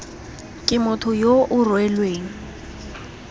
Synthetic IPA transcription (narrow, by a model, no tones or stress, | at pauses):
kʼɪmʊtʰʊjoʔʊrwɛlweːŋ̩